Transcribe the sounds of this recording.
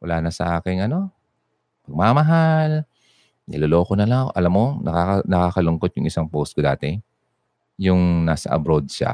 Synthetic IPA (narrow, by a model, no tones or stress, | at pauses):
wɐlaːnɐsɐʔaːkɪŋʔɐno̞ | pɐɡ̚maːmɐɦal | nɪ̰loloːkonɐlaʔɐ̰lamːo̞nʔɐkakɐnɐkaːkɐlʊŋkot̪̚jʊŋʔɪsaŋpowst̪̚kod̪a̰ːt̪ɛ | jʊŋnaːsɐ̰ʔɐ̰bɾod̪̚ʃa̰